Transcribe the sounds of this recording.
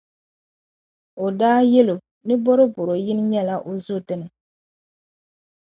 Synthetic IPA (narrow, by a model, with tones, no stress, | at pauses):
o˨daː˦jɛ˦lo˨ | nɨ˦bɔ˦ɾɨ˦bʊ˨ɾo˨jɪ˦n˦ɲɛ˦la˦ʔo˨zʊ˦˨tɨ˨nɨ˨